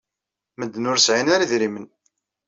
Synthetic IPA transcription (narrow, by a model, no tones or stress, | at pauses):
məd̪ːnʊɾsʕinaɾiðɾimən